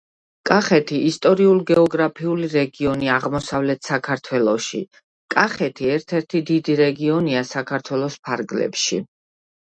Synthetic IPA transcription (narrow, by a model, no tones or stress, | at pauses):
kʼaχɛt̪ʰiːst̪ʼɔɾiulˠɡɛɔɡɾapʰiuliɾɛɡiɔniaʁmɔsavlɛt̪ʰsakʰaɾt̪ʰwɛlˠɔʃḭ | kʼaχɛt̪ʰiɛɾt̪ʰɛɾt̪ʰid̪id̪iɾɛɡiɔniasakʰaɾt̪ʰwɛlˠɔspʰaɾɡlɛ̰pʃḭ